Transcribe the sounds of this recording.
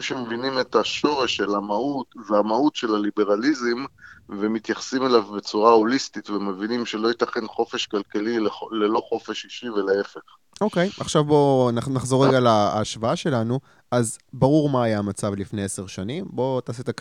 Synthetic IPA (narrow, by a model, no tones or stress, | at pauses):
ʃemevinimet̪aʃo̞ʁe̞ʃːelamaut̪zeamaut̪ʃelalibe̞ʁalizimvemit̪jaχsimelavbe̞t͡suʁaolist̪itveme̞vinimʃelo̞jit̪aχe̞nχo̞fe̞ʃkalkalilelelo̞χo̞fe̞ʃiʃiveleefe̞χ | o̞ke̞jʔaχʃavbo̞nnaχzo̞ʁeɡalaːʃvaaʃe̞lanu | ʔazbaʁuʁmaːjaːmat͡savlifne̞jese̞ʁʃanimbo̞t̪aːsit̪ak